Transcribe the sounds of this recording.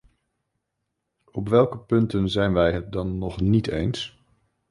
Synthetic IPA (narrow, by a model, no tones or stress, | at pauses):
ɔpʋɛlˠkəpɵntənzɛjnʋɛjɦət̚dɑnːɔχnitejns